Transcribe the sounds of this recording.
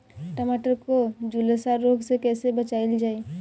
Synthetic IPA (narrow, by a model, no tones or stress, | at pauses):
ʈəmaːʈəɾkod͡ʒulesaːɾːoːɡsekɛːsebɐt͡ʃaːɪld͡ʒaːi